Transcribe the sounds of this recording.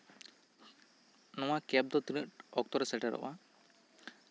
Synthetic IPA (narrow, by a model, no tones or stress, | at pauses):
nɔwakɛp̚d̪ɔt̪inəʈɔk̚t̪ɔɾsɛʈaɾɔ̰ʔa